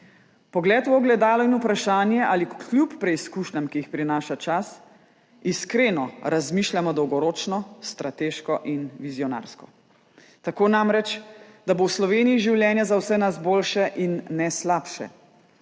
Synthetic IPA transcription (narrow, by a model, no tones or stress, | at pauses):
pɔɡlɛːt̪woɡlɛd̪aːlɔinupɾaʃaːnjɛʔaliklupːɾɛiskuʃnʲamkijixpɾinaːʃat͡ʃas | iskɾenɔɾazmiːʃljamɔd̪ɔwɡɔɾoːt͡ʃnɔst̪ɾat̪eːʃkɔʔinʋizjɔna̰ːɾskɔ | t̪akoːnamɾɛt͡ʃd̪abowslɔʋeːnijiʒiwljɛnjazawsɛnasboːlʃɛʔinːɛslapʃɛ̰